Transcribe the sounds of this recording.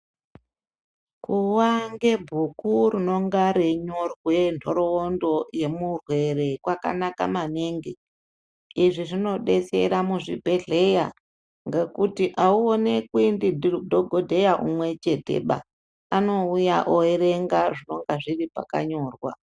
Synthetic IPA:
kuwaŋɡe̞bʱukurino̞ŋɡaɾeɲo̞rwe̞ndʰʱo̞ɾo̞ondo̞je̞murwe̞re̞kwaka̰naka̰maneŋɡe | iʐiʐino̞ɗe̞se̞̰ɾamuʐibʱe̞ɮe̞ja | ŋɡekutiʔauone̞kwindidʱoɡʱodʱe̞jaʔumwe̞t͡ʃe̞te̞̰ɓa̰ | ano̞uja̰ʔoeɾe̞ŋɡaʐino̞ŋɡaʐiripa̰ka̰ɲo̞ːrwa̰

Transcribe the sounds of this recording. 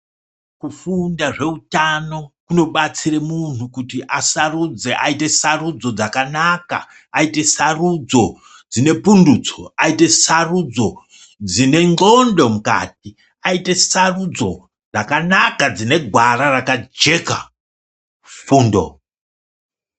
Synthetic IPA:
kufundaʐe̞utano̞kuno̞ɓat͡siremun̤ukutiʔasarud͡ze̞ʔaite̞sarud͡zo̞d͡zakanaka̰ː | ite̞sarud͡zo̞ | d͡zine̞punduːt͡soaite̞sarud͡zo̞ | d͡zine̞ŋɡo̞ndo̞muka̰ːt̚i | aite̞sarud͡zo̞ | d͡zakanakad͡zine̞ɡʱwararakad͡ʒe̞ka̰ | fuːndo̰

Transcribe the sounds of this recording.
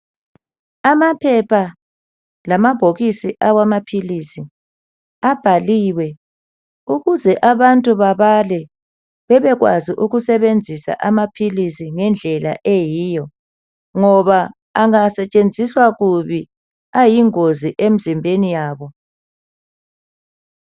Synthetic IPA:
amapʰɛpʰa | lamab̥ʱoɣisiʔawamapʰilisi | ab̥ʱaliwɛ | uɣuzɛʔaβantʼuβaβalɛ | βɛβɛɣwa̰ziʔuɣusɛβend͡zʱisa̰ʔamapʰilisiŋɛnd͡ɮʱɛla̰ʔejiːjɔ | ŋɔβaː | ŋasɛt͡ʃʼend͡zʱiswaɣuβi | ajiŋoziʔem̩zimbʱenijaːβɔ

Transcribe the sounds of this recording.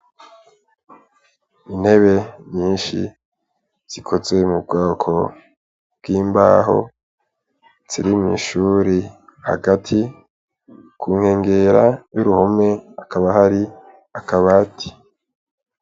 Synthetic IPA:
in̥he̞βe̞mɲiːnʃḭ | z̥ikʰo̞ze̞mubɡaːkʰo̞ | b̥̚ɡ̥iːmba̰ːɦo̞̰ | z̥iɾimŋḭʃuːɾi | ha̰ɡatʰi | kʰuːŋ̥he̞ːŋɡeɾajuɾuhome̞akaβaɦaɾi | akaβaːtʰi̥

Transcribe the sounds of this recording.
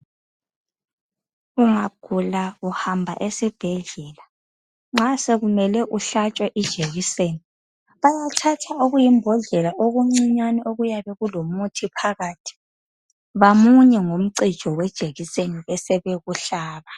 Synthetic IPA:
uŋaɡ̥ʱulauhambʱa̰ʔesib̥ʱɛɮɛːla | ŋ͡ǁaseɣumɛlɛʔuɬat͡ʃʼwaʔid̥ʒ̥ʱeɣiseːni | βajatʰatʰaoɣujimbʱɔɮɛlaʔoɣuŋ͡ǀiɲwanɛʔoɣujaβɛɣulomutʰipʰaɣaːtʰi̥ | βamuɲɛŋom̩ǀid̥ʒ̥ʱɔwɛd̥ʒ̥ʱeɣiseniβɛsɛβɛɣuɬaːβa

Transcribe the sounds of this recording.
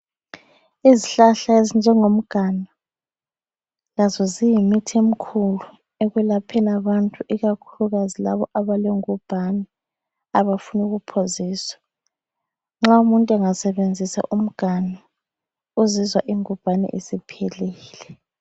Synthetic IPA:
iziɬaɬaezind͡ʒʱɛŋom̩ɡ̥ʱana | lazɔzijimitʰiem̩kʰulu | eɣwɛlapʰɛnaβantʼuʔiɣakʰuluɣazilaβɔʔaβaleŋub̥ʱanɛ | aβafunuɣupʰoziːswḁ | ŋ͡ǁaumuntʼɛŋasɛβend͡zʱisa̰ʔum̩ɡ̥ʱana | uzizwaʔiŋub̥ʱanɛ̰ʔesipʰeliːlɛ

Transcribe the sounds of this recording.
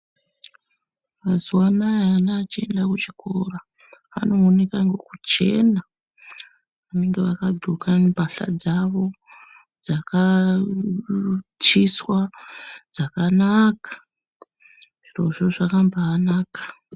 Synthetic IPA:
mazuwanajanaːt͡ʃie̞ndakut͡ʃi̥kʰora | a̰no̞ːnekaŋɡe̞kut͡ʃe̞̰na | ʋane̞ŋɡe̞ʋakaɡʱokabʱaɬa̰d͡zaʋo̞ | d͡zaka | t͡ʃiswad͡zakanakḁ | ʐ̥iro̞ʐoʐakambaːnaːkḁ

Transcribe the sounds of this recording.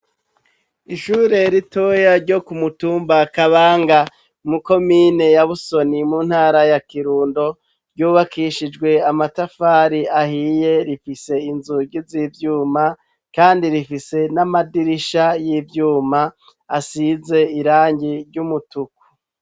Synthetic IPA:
iʃuːɾe̞ɾitojaɾɟo̞kumutuːmbakaβaːŋɡa | muko̞miːne̞jaβuso̞nimuːn̥haːɾajakiɾuːndo̞ | ɾɟuːβakiʃid͡ʒɡwe̞amatafaːɾiahije̞ɾifise̞inzuɟizivjuːma | kaːndiɾifise̞namadiɾiʃajivjuːma | asize̞iɾaːɲɟiɾjɟumutuku̥

